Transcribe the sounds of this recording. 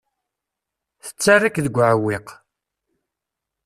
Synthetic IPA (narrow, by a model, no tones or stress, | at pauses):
θə̥t͡sːarːikðəɡʷːʕəwɪq